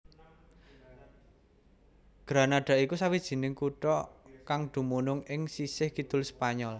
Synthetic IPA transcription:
ɡ̥ɾa̤naɖ̥a̤ʔikusawid̥ʒ̥i̤nɪŋkuʈɔkaŋd̪̥ṳmunʊŋɪŋsisɪhkid̪̥ʊ̤lspaɲɔl

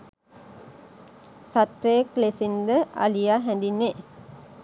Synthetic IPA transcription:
sat̪ɾeːklesind̪əʔa̰lijaːɦɛ̃nd̪inːe

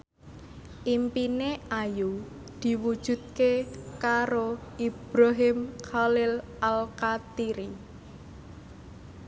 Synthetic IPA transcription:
ʔimpineʔaju | d̪̥i̤wud̥ʒ̥ṳd̪̚kekaɾoʔib̥ɾaɦɪmkalɪl | alkat̪iɾi

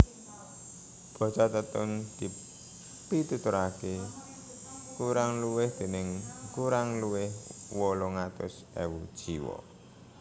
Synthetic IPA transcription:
b̥ɔ̤sat̪ət̪ʊnd̪̥i̤ | pit̪ut̪ʊɾake | kuɾaŋluwɪhd̪̥e̤nɪŋkuɾaŋluwɪhwɔlɔŋat̪ʊ̰s | ewud̥ʒ̥iwɔ̰

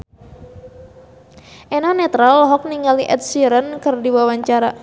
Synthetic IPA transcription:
ʔenɔnɛt̪ɾalɦɔk̚niŋaliʔɛ̰t̪̚siɾənkɨrdiwawaɲt͡ʃaɾa

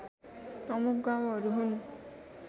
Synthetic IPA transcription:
pɾɔmukʰɡamɔɾuɦun

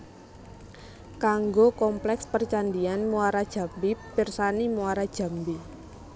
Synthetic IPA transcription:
kaŋɡokɔmplɛkspərt͡ʃandianmuaɾad̥ʒ̥a̤mbipɪrsanimuaɾad̥ʒ̥a̤mbi

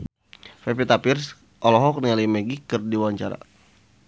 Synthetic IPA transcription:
fɛpit̪apirs | ʔɔlɔɦɔk̚nialimeɡikɨrdiwaɲt͡ʃaɾa̰

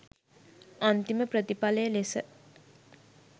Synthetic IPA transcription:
ant̪iməpɾət̪ipaləjəlesə

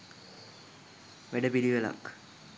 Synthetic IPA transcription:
ʋeɖɐpiliʋɐla̰k

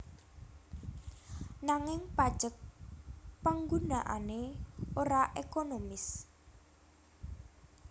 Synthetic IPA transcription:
naŋɪŋpad̥ʒ̥ək̚ | paŋɡunaʔa̰neoɾaʔekonomɪs

